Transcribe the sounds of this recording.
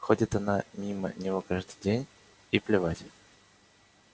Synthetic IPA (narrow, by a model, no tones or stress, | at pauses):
xo̞dʲɪt̪ɐnamʲimə̰nʲɪvo̞kaʐd̪ɨjdʲenʲ | iplʲɪvatʲɪ